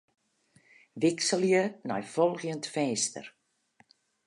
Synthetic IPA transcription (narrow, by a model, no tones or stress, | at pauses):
ʋɪksəljəna̰jfɔlˠɣjəntfɛːstə̰r